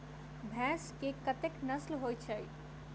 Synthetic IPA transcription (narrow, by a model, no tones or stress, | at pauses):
bʱɛ̃skekət̪eknəslɦojt͡ʃʰəj